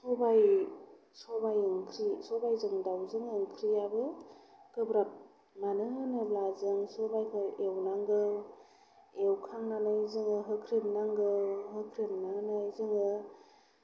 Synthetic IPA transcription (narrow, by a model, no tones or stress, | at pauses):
sɔbaj | sɔbajɯŋkʰɾisɔbajzɯŋdawzɯŋɯŋkʰɾijabɯkɯbɾap̚ | nanɯɯnɯblazɯŋsɔbajkʰɯewnaŋɡɯw | ewkʰaŋnanɯjzɯŋɯɦɯkʰɾemnaŋɡɯwɦɯkʰɾemnanɯjzɯŋɯ